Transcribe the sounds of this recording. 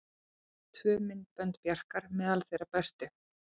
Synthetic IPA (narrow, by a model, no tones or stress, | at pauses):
t̪ʰvœːmɪnt̪̚pœnt̪pjar̥kaɾmɛðalθejɾapɛst̪ʏ